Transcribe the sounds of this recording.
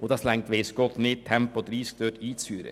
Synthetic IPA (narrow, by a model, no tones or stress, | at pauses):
ɔd̪ɑːslɛŋt̪ʋɛɪskɔt̪nɪt̪ʰɛmpɔd̪ɾiːst̪øʈiːsyːɾə̰